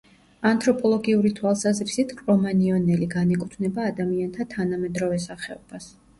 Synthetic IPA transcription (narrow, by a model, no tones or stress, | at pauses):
ant̪ʰʼɾɔpʼɔlˠɔɡiuɾit̪ʰwalˠsazɾisit̪ʰkʼɾɔmaniɔnɛliɡanɛkʼut̪ʰvnɛbaːd̪amiant̪ʰat̪ʰanamɛd̪ɾɔvɛsaχɛɔb̥as